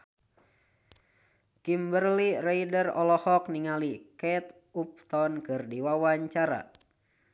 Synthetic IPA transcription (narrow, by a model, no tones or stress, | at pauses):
kimbərliraidərɔlɔhɔk̚niŋalikɛt̪ | up̚t̪ɔnkɨrdiwawaɲt͡ʃaɾa̰